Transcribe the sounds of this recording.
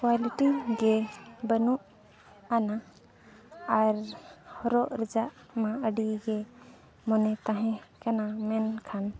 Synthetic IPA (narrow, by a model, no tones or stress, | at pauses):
kwaliʈiɡɛbənuʔ | ana | aɾhɔɾɔʔɾɛd͡ʒaʔ | mãəɖiɡɛ | mɔnɛt̪ãɦɛ̃kanamɛnkʰan